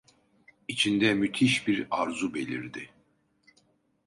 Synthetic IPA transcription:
it͡ʃʰind̪ɛmyt̪ʰiʃbiɾaɾzube̞lʲiɾd̪ɪ

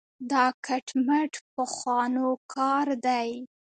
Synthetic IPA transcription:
d̪ɑkaʈmaʈpəxwɑnokʰɑɾd̪aj

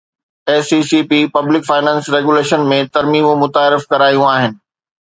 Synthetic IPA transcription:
eːsiːsiːpipɐblɪkfaːɪnɛ̃ːnsɾeːɡuleːʃənmẽt̪ɐɾmiːmũmʊt̪aːɾɪfkɐɾaːjũaːɦɪnɪ̆

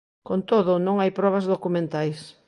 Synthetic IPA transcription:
kont̪oðʊnõŋajpɾɔβ̞ɐzðokumẽnt̪ajs

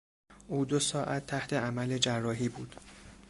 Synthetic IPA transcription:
ʔuːd̪osɒːʔæt̪ʰːæht̪ʰe̞æmæle̞d͡ʒærːɒːɦiːbuːd̪̥

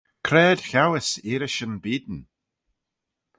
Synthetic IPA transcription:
kʰɾɛːd̪̥xawɪsiːɾɪʃənbiːd̪n̩

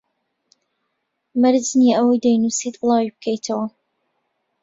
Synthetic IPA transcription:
mɨɾd͡ʒniəwojd̪ajnusit̪ʼlˠɑːwib̚kʰəjt̪ʰɐwɐ

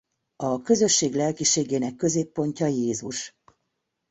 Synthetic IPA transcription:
ɒkø̞zø̞ʃːeːɡlɛlkiʃeːɡeːnɛkːø̞zeːpːo̞ɲcɒjeːzuʃ

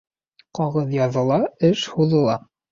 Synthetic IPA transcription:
qɑʁɤðjɑðɤ̆lˠɑɘʃhuðɤ̆lˠɑ

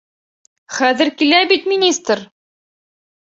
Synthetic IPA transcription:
χæðɘ̆ɾkilæbit̪mʲinʲist̪ɾ

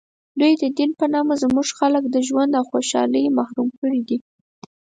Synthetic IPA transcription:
d̪ujd̪əd̪inpənɑmazmuʐxaləkd̪əʒwand̪awxoʃɑ̰ləjmahɾumkəɽid̪i

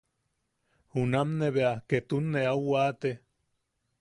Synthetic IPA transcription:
hunamneβeaket̪unːeawat̪e

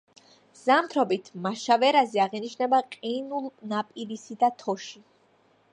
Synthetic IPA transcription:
z̥amt̪ʰɾɔbit̪ʰmaʃavɛɾazɛaʁiniʃnɛbaqʼinulˠnapʼiɾisid̪at̪ʰɔʃi

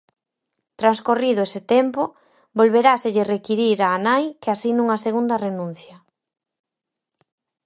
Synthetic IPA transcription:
t̪ɾanskoriðʊesɪt̪empo | bolβeɾaseʎɪrekiɾiɾaːnajkeasinũŋɐseɣund̪ɐrenũn̟θjɐ

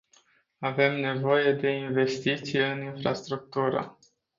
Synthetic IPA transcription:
ave̞mne̞vo̞je̞d̪e̞inve̞st̪it̪sijeɨninfɾast̪ɾuk̚t̪uɾə̰

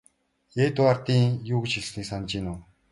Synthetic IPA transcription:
eːt̪ʊart̪iːŋjuːɣɵ̆t͡ɕxiɮsniːksant͡ɕiːnʊː

